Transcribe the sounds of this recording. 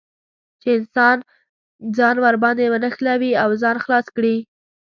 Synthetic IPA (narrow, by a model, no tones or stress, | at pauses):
t͡ʃeɪnsɑn | d͡zɑnwaɾbɑnd̪ewənəxlawiawzɑnxlɑskɽi